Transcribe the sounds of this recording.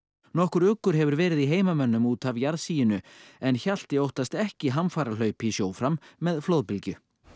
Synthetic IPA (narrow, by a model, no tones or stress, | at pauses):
nɔhkʏɾʏkːʏɾ̥ɦɛvʏɾvɛːɾɪðiɦeːjmamœnːʏmuːt̪avjaɾðsiːjɪnʏɛnçal̥t̪ɪowht̪ast̪ɛhcɪɦamfaːɾal̥œːɥpisjoːwfɾamːɛðflowðpɪlcʏ